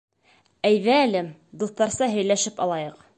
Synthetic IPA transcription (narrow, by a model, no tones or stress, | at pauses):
æjðæːlɘd̪uθt̪ɑɾsɑɦɵ̆jlæʃɘpɑ̰lˠɑjɤq